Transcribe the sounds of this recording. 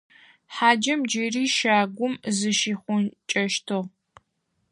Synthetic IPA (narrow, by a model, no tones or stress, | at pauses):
ħaːd͡ʒɐmd͡ʒiriːʃaːɡʷʊmzɨʃiːχʷʊnt͡ʃʼɐʃtʰoʁ